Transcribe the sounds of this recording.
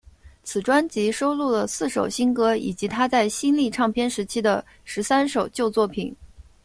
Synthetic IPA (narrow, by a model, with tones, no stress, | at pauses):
t͡sʰɹ̩˨˩ʈ͡ʂwa˥nt͡ɕi˧˥ʂo˥ʊlu˥˩lə˩sɹ̩˥˩ʂo˨˩ʊɕi˥nkɤ˧˥i˨˩t͡ɕi˧˥t̪ʰa˥t͡sa˥˩ɪɕi˥nli˥˧ʈ͡ʂʰɑ˥˩ŋpʰjɛ˥nʂɻ̩˧˥t͡ɕʰi˥d̪ə˧ | ʂɻ̩˧˥sa˥nʂo˨˩ʊt͡ɕjo˥˧ʊt͡swɔ˥˩pʰḭ˨˩˦n